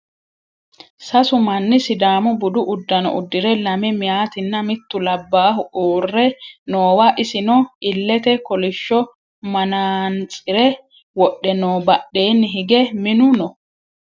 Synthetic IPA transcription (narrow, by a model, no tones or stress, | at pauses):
sɐsʊmɐnːɪsɪd̪aːmʊbʊd̪ʊʔʊd̪ːɐnɔ̰ʔʊd̪ːɪɾɛlɐmɛmɪjaːt̪ɪnːɐmɪt̪ːʊlɐbːaːhʊʔoːrːɛnoːwaʔɪsɪnɔɪlːɛt̪ɛkɔlɪʃːɔ | mɐnaːnt͡sʼɪɾɛ | wɔɗːɛnoːbɐɗːe̞ːnːɪɦɪɡɛmɪnʊnɔ